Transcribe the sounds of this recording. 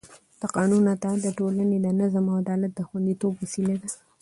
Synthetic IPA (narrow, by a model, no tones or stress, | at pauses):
t̪aqɑnunat̪ad̪əʈolaned̪ənəzamaad̪ɑlat̪̚d̪əxwand̪it̪obwasilad̪a